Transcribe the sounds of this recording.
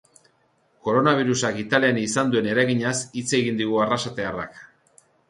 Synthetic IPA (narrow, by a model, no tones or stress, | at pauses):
ko̞ɾo̞naβ̞iɾusakit̪aleanisand̪ue̞ne̞ɾajɣiɲasit͡se̞ɣind̪iɣuarasat̪e̞ara̰k